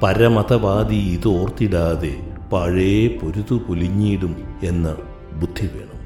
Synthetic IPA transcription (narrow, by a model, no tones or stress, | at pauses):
pɐɾɐmɐt̪ɐbaːd̪iiðɨoːrt̪iɽaːðepɐɻeepo̞ɾuðupuliɲːiːɽume̞nːɐ | bud̪ʱːiʋe̞̰ːɳɐm